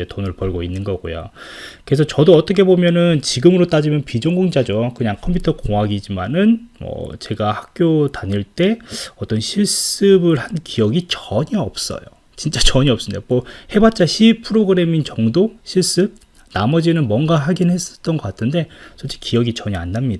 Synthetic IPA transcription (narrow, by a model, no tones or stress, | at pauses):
etonɯɭpʌɭɡoinːɯnɡʌɡo̰jo̰kɯɾesʰʌt͡ɕʌdoʌt͈ʌkʰebomjʌnɯnt͡ɕiɡɯmɯɾot͈ad͡ʑimjʌnpid͡ʑoŋɡoŋd͡ʑad͡ʑokɯɲaŋkʰʌmpʰutʰʌkoŋaɡid͡ʑimanɯnmʌ̰t͡ɕe̞ɡahak̚k͈jotaɲiɭt͈e̞ʌt͈ʌnɕʰiɭs͈ɯbɯɭhankijʌɡit͡ɕʌɲiʌp̚s͈ʌ̰jo̰ | t͡ɕint͡ɕ͈at͡ɕʌɲiʌps͈ɯndemohe̞bat̚t͡ɕ͈aɕʰipʰɯɾoɡɯɾe̞mint͡ɕʌŋdoɕʰiɭs͈ɯb̚ | namʌd͡ʑinɯnmwʌnɡaɦaɡinɦe̞s͈ʌ̥t͈ʌnɡʌk͈atʰɯnde̞sʰot͡ɕ͈ʰi̥kijʌɡit͡ɕʌɲianːamɲida